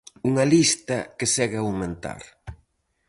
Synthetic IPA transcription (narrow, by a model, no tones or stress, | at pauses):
uŋɐlist̪ɐkesɛɣawmẽnt̪a̰ɾ